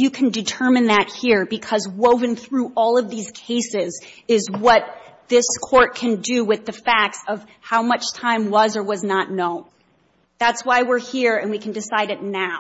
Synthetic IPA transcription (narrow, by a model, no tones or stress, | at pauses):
jɨkʰn̩dɨtʰɜ˞mɨ̃nðɨt̚hiɹbɨkʰʌzwoʊvɨ̃ŋθɹuʔɔlˠʌvðiz̥kʰeɪsɪzɪzwʌt̪̚ðɪskʰɔɹt̚kʰɨ̃ndɨwɨðɨfæk̚tsʌv̥haʊmʌt͡ʃtʰãɪ̃mwʌzə˞wʌznətⁿnõʊ̃n | ðætswaɪwɪɹhiɹɨ̃nwikʰn̩dɨsaɪɾɨtⁿnaʊ